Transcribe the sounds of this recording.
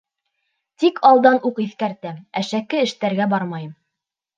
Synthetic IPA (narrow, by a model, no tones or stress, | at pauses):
t̪ikʰɑlˠd̪ɑnuqiθkæɾt̪æmæʃækɘɘ̆ʃt̪æɾɡæbɑɾmɑjɤm